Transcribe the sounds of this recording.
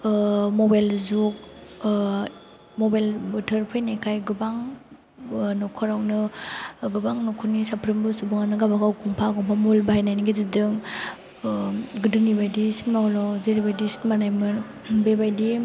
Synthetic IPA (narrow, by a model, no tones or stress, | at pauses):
mobajlzuk̚ | mobajlbutʰɯɾpʰajnakʰajɡɯbaŋ | nɔkʰɔɾawnɯɡɯbaŋnɔkʰunisapʰɾɯmbɯsubɯŋanɯɡabakawkʰɔmpʰakɔmpʰamulbaajnajniɡizidɯŋ | ɡɯdɯnibajdisinmahɔlɔzeɾibajdisi̥nmanajmɯn | bebajdi